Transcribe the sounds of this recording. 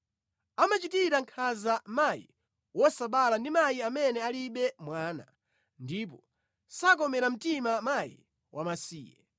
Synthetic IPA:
amat͡ʃitiɾaŋkʰazamajḭ | wɔsaɓalandimajiamɛnɛaliɓɛmwaːna̰ | ndip̬ɔ | sak̬ɔmɛɾam̩timamajḭ | wʔamasiːjɛ̰

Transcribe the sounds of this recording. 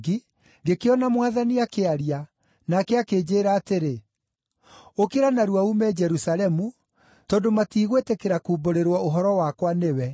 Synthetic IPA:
ɡi | ɡekeɔnamwaðaniakeaɾia | nakɛakeːd͡ʑeːɾaːteɾe | okeɾanaɾuaumɛd͡ʒɛɾusalɛmu | tɔːndomatiːɣwetekeɾakuːboɾeɾwɔoɦɔɾɔwakwanewɛ

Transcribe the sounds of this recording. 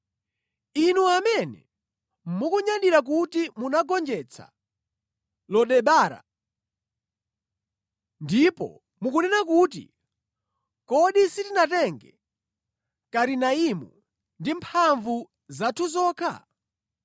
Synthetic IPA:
inuamɛnɛ̰ | mukuɲaɗiɾak̬utimunaɡɔnd͡ʒɛt͡sʰa̰ | lɔɗɛɓaːɾa̰ | ndipɔ̰ | mukunɛnakut̬ḭ | kɔɗisitinatɛŋɡɛ | kaɾinaimɔ̰ | ndimpʰaɱvu | zatʰuzɔːkʰa̰

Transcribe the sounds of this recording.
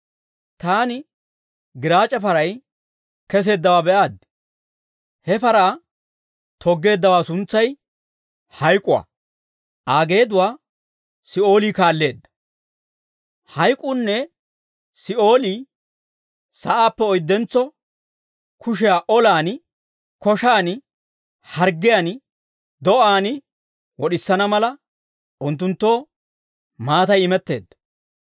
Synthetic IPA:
t̪aːnɪ | ɡɪɾaːt͡ʃʼːɐfɐɾɐj | kɛs̬e̞ːd̪ːɐwaːbɛʔaːd̪ | hɛpɐɾaː | t̪ʰɔɡːe̞ːd̪ːɐwaːsʊnt͡sːɐj | hɐjkʼʊwa̰ | ʔaːɡe̞ːd̪ʊwaː | sɪʔo̞ːliːkaːlːe̞ːd̪ːɐ̥ | hɐjkʼʊnːɛ | sɪʔo̞ːliː | sɐʔaːpːɛɔjd̪ːɛnt͡sːɔ | kʰʊʃ̬ɛjaːʔɔlaːn | kɔʃaːn | hɐɾɡɪjaːn | d̪ɔʔaːnɪ | wɔɗɪsːɐnɐmɐlɐ | ʔʊnt̪ːʊnt̪ːo̞ː | maːt̪ɐjɪmɛt̪ːe̞̰ːd̪ːɐ̥

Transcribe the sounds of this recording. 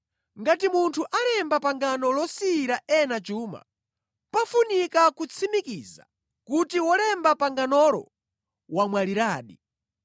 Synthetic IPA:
ŋɡatimuntʰuʔalɛmbapaŋɡanɔlɔsiɾaɛnat͡ʃuːma̰ | pafunikakut͡sʰimikiːza̰ | kutiwɔlɛmbapaŋɡanɔlɔ̰ | wamwaliɾaːɗḭ

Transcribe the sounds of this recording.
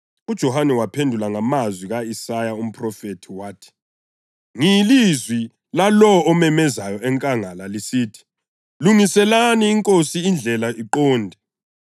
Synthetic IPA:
ud̥ʒ̥ʱɔhanɛwapʰendʱulaŋamazwiɣaisajaum̩pʰʼrɔfetʰiwaːtʰi̥ | ŋilizwi | lalɔːmɛmɛzajɔʔɛŋkʼaŋalalisiːtʰi̥ | luŋisɛlaniːŋkʼosiːnd͡ɮʱɛlaʔiǃɔːndʱɛ

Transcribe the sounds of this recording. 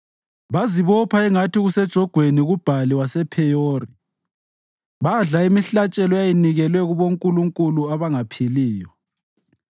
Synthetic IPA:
βaziβɔpʰaɛŋatiɣusɛd̥ʒ̥ʱɔɡ̥ʱweniɣub̥ʱaliwasɛpʰɛjoːri | βaɮaimiɬat͡ʃʼɛlɔjajiniɣɛlwɛɣuβoŋkʼuluŋkʼuluaβaŋapʰiliːjɔ

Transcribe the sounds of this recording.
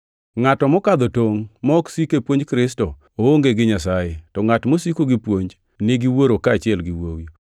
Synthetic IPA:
ŋatɔmɔkad̪ɔtoŋmɔɔksikepwoɲd͡ʒkɾɪstɔ | ooŋɡeɡɪɲasajetɔŋatmosikoɡɪpwoɲd͡ʒ | nɪɡɪwoɾokaːt͡ʃɪɛlɡɪwowi

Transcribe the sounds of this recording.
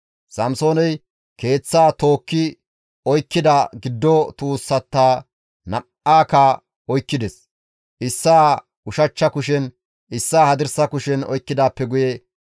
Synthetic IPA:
sɐmso̞ːnɛj | ke̞ːt͡sːaːt̪o̞ːkːɪ | ɔjkːɪd̪ɐɡɪd̪ːɔt̪uːsːɐt̪ːaː | nɐ | aːkaː | ɔjkːɪd̪ɛs | ʔɪsːaː | ʊʃɐt͡ʃːɐkʊʃ̬ɛn | ɪsːaːhɐd̪ɪɾsɐkʊʃɛnɔ̰jkːɪd̪aːpːɛɡʊjɛ

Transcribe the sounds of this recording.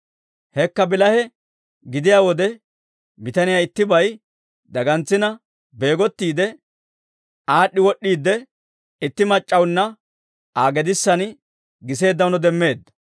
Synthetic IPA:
hɛkːɐbɪlɐhɛ | ɡɪd̪ɪjaːwɔd̪ɛ | bɪt̪ɐnɪjaːɪt̪ːɪbɐj | d̪ɐɡɐnt͡sːɪnɐ | be̞ːɡɔt̪ːiːd̪ɛ | ʔaːɗːɪwɔɗːiːd̪ːɛ | ɪt̪ːɪmɐt͡ʃʼːɐwnːɐ | aːɡɛd̪ɪsːɐn | ɡɪs̬e̞ːd̪ːɐwnɔd̪ɛmːe̞ːd̪ːɐ̥

